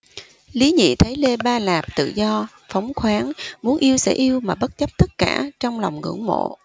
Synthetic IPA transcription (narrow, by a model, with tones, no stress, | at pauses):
li˨˦ɲḭ˧˨t̪ʰə˨˦jle˧ɓaː˧laː˨˩p̚t̪ɨ̰˧˨zɔ˧ | fɔ˨˦wŋ͡mxwaː˨˦ŋmu˨˦ənʔi˧əwsɛ̰˧˥ʔi˧əwmaː˨˩ɓə˦˥t̚t͡ɕə˦˥p̚t̪ə˦˥t̚kaː˧˩t͡ɕɔ˧wŋ͡mlɔ˨˩wŋ͡mŋɨ̰˧˩˥əŋmo̰˧˨